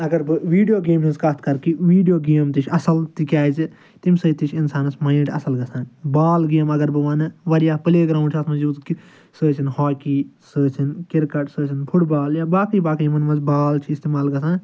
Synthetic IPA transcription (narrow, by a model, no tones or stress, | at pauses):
ɐɡɐɾbɨʋiːɖijoːɡeːmɐzkɐt̪̚ʰkɐɾkiʋiːɖijoːɡeːmt̪it͡ʃʰʲɐsɐlt̪ikʲaːzi | t̪imsɐit̪it͡ʃʰɪnsaːnɐsmaːnʈɐ̰sɐlɡɐsãːbaːlɡeːmɐɡɐɾbɨʋɐnɨʋɐɾijaːpɐleːɡɾãːɳɖt͡ʃʰɐt̪ʰmɐzjuːd̪ki | səːt͡ʃʰinhoːkiːsəːt͡ʃʰinkɪɾkɐʈsəːt͡ʃʰinpʰʊʈbaːljaːbaːkiːbaːkɐjmɐnmɐzbaːlt͡ʃʰiɪst̪imaːlɡɐs̬ãːn